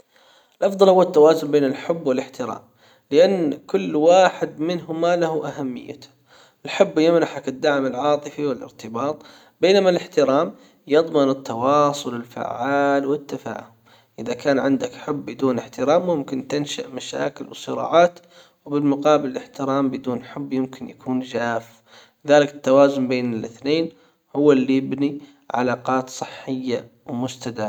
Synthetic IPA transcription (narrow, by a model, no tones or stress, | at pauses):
ʔɪlʔɑfðˤɑlhʊwːat̪ːawaːzʊnbeːnɪlħʊbːwɪlɪħt̪ɪɾa̰ːm | lɪʔanːkʊlːwaːħɪd̪mɪnɦʊmalahuʔaɦamːɪ̰jːa̰t̪ | ɪlħʊbːjɪmnaħakɪd̪ːaʕmɪlʕɑːt̪ˤɨfiwɪlɪ̰ɾt̪ɪbɑːt̪ˤ | beːnamalɪħt̪ɪɾaːm | jɑðˤmɪnɪt̪ːɑwɑːsˤʊlɪlfa̰ʕʕːaːlwɪt̪ːafa̰ːhʊm | ʔɪðakaːnʕɪnd̪akħʊbːɪd̪uːnɪħt̪ɪɾaːmːʊmkɪnt̪ɪnʃaʔmaʃa̰ːkɪlwsˤɨɾɑ̰ːʕaːt̪ | wbɪlmʊqɑːbɪlɪlɪħt̪ɪɾaːmbɪd̪uːnħʊbːjɪmkɪnjakʰuːnd͡ʒaːf | lɪðaːlɪkɪt̪ːawaːzʊmbeːnɪlʔɪθneːn | hʊwːalːijɪbni | ʕa̰laːqɑːt̪sˤɨħːɪjːa | wmʊst̪ad̪aː